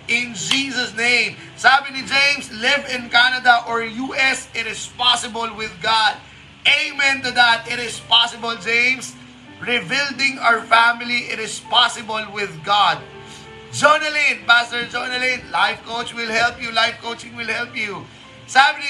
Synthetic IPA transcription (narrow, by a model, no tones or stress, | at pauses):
ɪ̃nd͡ʒiːzəsnẽɪ̃m | sæmɪnid͡ʒẽɪ̃mslɪvɪ̃nkænɐd̪aʔɔɹjuʔɛsɪɾɪz̥pɑsɪbəlwɪðɡɑd̚ | eɪmɛ̃nt̪ud̪æt̪ɪɾɪz̥pɑsɪbəld͡ʒẽɪ̃ms | ɹɪbɪldɪ̃ŋaʊəfæmɪliʔɪɾɪz̥pɑsɪbəlwɪðɡɑd̚ | d͡ʒonəlĩnpæstəɹd͡ʒonəlĩnlaɪfkoʊt͡ʃwɪlhɛlpjulaɪfkoʊt͡ʃɪ̃ŋwɪlhɛlpju | sæmɪni